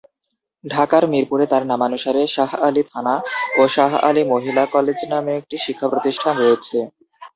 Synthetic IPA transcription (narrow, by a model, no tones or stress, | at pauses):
ɖʱakaɾmiɾpuɾet̪aɾnamanuʃaɾeʃaɦalit̪ʰanaoʃaɦa̰limoɦilakɔled͡ʑnameek̚ʈiʃikʰːapɾot̪iʃʈʰanɾojet͡ɕʰe